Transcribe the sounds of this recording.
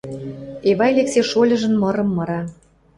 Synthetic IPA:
eβɑjlekseʃolʲɤ̆ʒə̆nmɤ̆ɾɤ̆mːɤ̆ɾɑ

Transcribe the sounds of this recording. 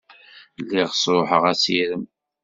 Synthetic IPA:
lːiʁsˤoħəʁæsiɾəm

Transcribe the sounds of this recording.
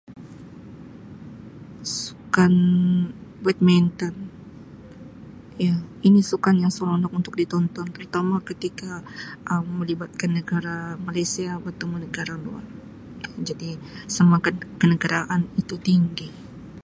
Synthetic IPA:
su̥kan | bɛt̪̚mant̪an | jainisukanjaŋsolɔndɔkunt̪ʊk̚dit̪ɔnt̪ɔnt̪əɾut̪amakət̪ikaʔəmːəlibat̪̚kanːəɡaɾamalajsiabat̪amənəɡaɾalua̰r | jad͡ʒadisamakankənəɡaɾaʔanit̪ut̪iŋɡi

